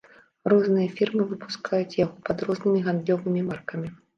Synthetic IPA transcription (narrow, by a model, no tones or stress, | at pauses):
rɔznɨjɐfʲirmɨvɨpu̥skʰajut͡sʲjaɣɔpɐd̪rɔznɨmʲiɣand̪lʲɔvɨmʲimarkɐmʲi